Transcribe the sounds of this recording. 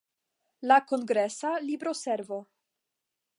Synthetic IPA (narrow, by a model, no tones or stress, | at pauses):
lako̞ŋɡɾesalibɾo̞seɾvo̞